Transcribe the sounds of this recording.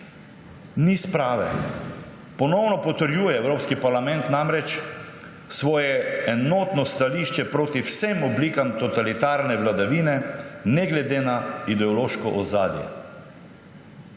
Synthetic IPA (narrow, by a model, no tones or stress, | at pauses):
nispɾaːʋɛ̰ | pɔnɔwnɔpɔt̪əɾjuːjɛɛwɾoːpskipaɾlamɛ̃nt̪namɾɛt͡ʃ | sʋɔːjɛɛnɔːt̪nɔst̪aliːʃt͡ʃɛpɾoːt̪iwsemɔbliːkamt̪ɔt̪alit̪aːɾnɛʋlad̪aʋiːnɛnɛɡlɛd̪eːnaid̪ɛɔloːʃkɔʔɔzaːd̪jɛ̰